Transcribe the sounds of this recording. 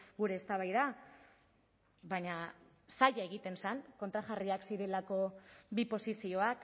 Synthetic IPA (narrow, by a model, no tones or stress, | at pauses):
ɡuɾe̞ːst̪aβajða | βaɲa | saʎae̞ɣ̞it̪e̞nsaŋko̞nt̪ɾaʝariaksiɾe̞lako̞bipo̞sisio̞ak